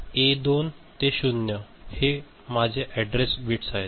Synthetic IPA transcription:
ed̪ont̪eɕunjə | he | mad͡ʑʱeʔɛɖɾesbʱiʈsaɦet̪

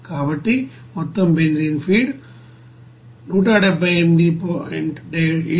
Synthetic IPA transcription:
kaːʋɐʈːi | mɔt̪ːɐmbẽːnd̪ɾiːnfiːɖ | nuːʈaːɽebɐemd̪ipoɛ̰̃ɳɖei

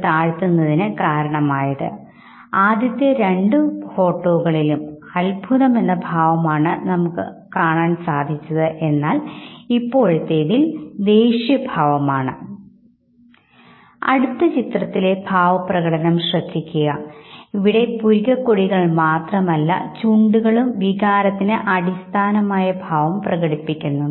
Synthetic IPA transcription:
t̪aːɻt̪ːunːɐðinɨkaːɾɐɳɐmaːjɐðɨ̰ | aːd̪ʱjɐt̪ːjɐɾe̞ɳɖɨfo̞ːʈːo̞ːɣɐɭilumɐlbʱuðɐme̞nːɐbʱaːʋɐmaːɳɨnɐmukːɨ̰kaːɳaːnsaːd̪ʱit͡ɕːɐðɨʔe̞nːaːlipːo̞ːɻt̪ːeːɽild̪e̞ːɕjɐbʱaːʋɐmaːɳɨ | ɐ̰ɽut̪ːɐt͡ɕit̪rɐt̪ːile̞bʱaːʋɐprɐɣɐʈɐnɐmɕrɐd̪ʱːikʲːuɣɐiʋiɽe̞puɾɣɐkːoɻiɣɐɭmaːt̪rɐmɐlːɐ̰t͡ɕuɳɖuɣɐɭumʋiɣaːɾɐt̪ːinɨʔɐɽist̪ʰaːnɐmaːjɐbʱaːʋɐmprɐɣɐɽipːikʲːunːu

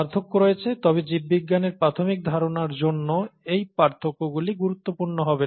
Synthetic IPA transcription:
aɾt̪ʰokːoɾojet͡ɕʰet̪ɔbed͡ʑibːiɡːaneɾpɾat̪ʰomik̚d̪ʱaɾonaɾd͡ʑonːoejpaɾt̪ʰokːoɡuliɡuɾut̪ːopuɾnoɦɔbe

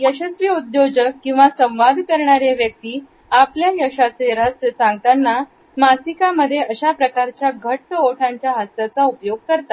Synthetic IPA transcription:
jəɕəsʋiud̪jod͡ʑəkːĩw̃ʋasə̃w̃ʋad̪ʱkəɾɳaɾeʋjək̚t̪iː | apljajəɕasʋeɾat͡ssãŋɡt̪anːa | masikaməd̪ʱːjeəɕapɾəkaɾt͡ɕjaɡʱəʈːəoʈʰãɲt͡ɕjaɦəst̪at͡saupjoɡ̚kəɾt̪a

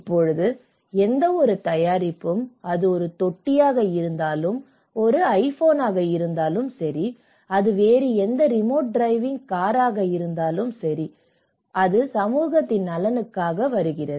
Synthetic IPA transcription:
ɪpːɔɻɯðɯ | ɛnd̪ɐɔɾɯt̪ɐjaːɾɪpːɯmɐðɯɔɾɯt̪ɔʈːɪjaːɣɐɪɾɯnd̪aːlɯm | ɔɾɯɐɪfoːnaːɣɐɪɾɯnd̪aːlɯmsɐɾi | ɐðɯʋeːɾiɛnd̪ɐɾɪmoːʈ̚ɖɾɐɪʋɪŋkaːɾaːɣɐjɪɾɯnd̪aːlɯmsɐɾi | ɐðɯsɐmuːɣɐt̪ːɪnnɐlɐnɯkːaːɣɐʋɐɾɯɣɪrɐðɯ

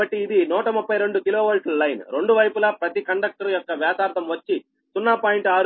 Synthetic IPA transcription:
ɐʈːiːd̪inuːʈɐmupːɐjɾe̞ɳɖukiloːʋɐlslɐjnɾe̞ɳɖuʋɐjpulɐpɾɐt̪ikɐɳɖɐk̚ʈɐɾjɔkːɐʋjaːt̪aːɾt̪ɐmʋɐt͡ʃːi | sunːaːpaːjiɳʈaːɾ

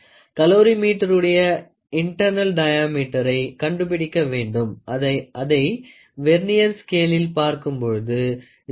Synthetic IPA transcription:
kɐloːɾimiːʈːɐɾɯɽɐjɐ | ɪɳʈɐɾnɐlɖɐjaːmiːʈːɐɾɐɪkɐɳɖɯp̬ɪɽɪkːɐʋeːɳɖɯmɐɐɐðɐɪ | ʋɛɾnɪjɐɾskeːlɪlpaːɾkɯmpɔɻɯðɯ

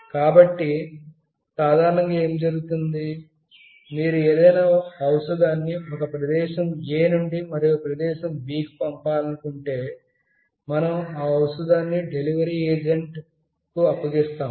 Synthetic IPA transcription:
kaːbɐʈːi | saːd̪ʱaːɾɐɳɐŋɡaːe̞ːmd͡ʒɐɾuɡut̪und̪i | miːɾueːd̪ɐjnaːɐwsɐd̪aːnːiɔkɐpɾɐd̪ɛːʃɐmeːnuɳɖimɐɾijopɾɐd̪ɛːʃɐmbiːkpɐmpaːlɐnukuɳʈe̞ː | mɐnɐmaːɐwsɐd̪aːnːiɖe̞liʋɐɾiːeːd͡ʒeɳʈ | kuɐpːɐɡist̪aːm

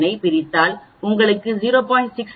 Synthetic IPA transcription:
nɐɪpɪɾɪt̪ːaːlʊŋɡɐɭɯkːɯziːɾoːpaːɪɳʈsɪks

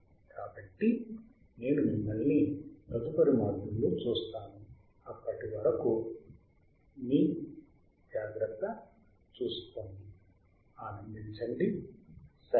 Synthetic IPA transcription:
kaːbɐʈːi | ne̞ːnunimːɐlːipɾɐt̪upɐɾimaːd̪ulːut͡ʃuːst̪aːnu | ɐpːɐʈiʋɐɾɐku | niː | d͡ʒaːɡɾɐt̪ːɐ | t͡ʃuːsk̪oːnd̪i | aːnɐnd̪iɲt͡ʃɐɳɖi | sɐ

